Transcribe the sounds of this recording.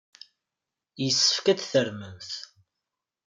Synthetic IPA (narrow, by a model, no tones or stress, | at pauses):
jəsːə̥fkæðθəɾmənθ